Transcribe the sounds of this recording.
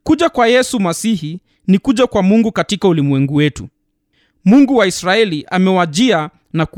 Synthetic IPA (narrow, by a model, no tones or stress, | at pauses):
kuʄakwajɛsumasihi | nikuʄakwamuŋɡukatikaulimwɛŋɡuwɛtṵ | muŋɡuwaisɾaɛliʔamɛwaʄia | nak